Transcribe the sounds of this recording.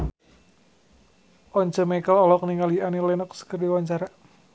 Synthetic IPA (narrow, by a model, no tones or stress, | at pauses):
ʔɔɲt͡ʃəmekəlɔlɔk̚niŋalianilɛnək̚sə̥kərdiwaɲt͡ʃaɾa